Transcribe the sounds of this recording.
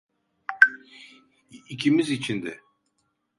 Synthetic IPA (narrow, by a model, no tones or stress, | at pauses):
icʰimizit͡ʃʰind̪ɛ